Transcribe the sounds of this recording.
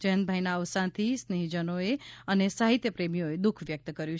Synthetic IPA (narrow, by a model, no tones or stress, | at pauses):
d͡ʒəɦə̃nbʱajnaəʋsãnt̪ʰisneɦid͡ʒənoeənesaɦit̪jəpɾemijoed̪ukʰʋjək̚t̪kəɾjũ